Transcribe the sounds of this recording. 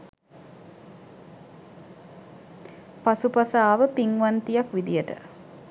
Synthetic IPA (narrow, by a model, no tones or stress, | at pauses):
pasupasaːʋəpiŋʋant̪ijakʋid̪ijəʈə̰